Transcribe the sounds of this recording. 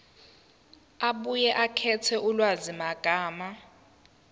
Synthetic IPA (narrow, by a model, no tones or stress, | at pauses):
aɓujɛʔakʰɛtʰɛʔulwazimaɡ̥ʱaːma